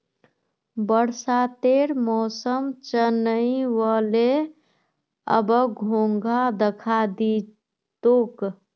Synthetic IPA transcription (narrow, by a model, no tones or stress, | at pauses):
bəɽsat̪eɾmɔsəmt͡ʃənəiʋəle | ə̰bəɡʱoŋɡʱad̪əkʰad̪i | t̪ok